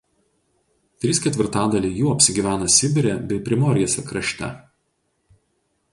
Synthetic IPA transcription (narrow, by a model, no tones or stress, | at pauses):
t̪ʲɾʲiːskʲɛt̪ʲʋʲɪɾt̪ɑːd̪ɐlʲiːjuːɐpʲsʲɪɡʲiːʋʲæːnɐsʲɪbʲɪɾʲebʲɛɪpʲɾʲɪmoːɾʲɪjɛsʲɛkɾɐʃʲt̪ʲɛ̰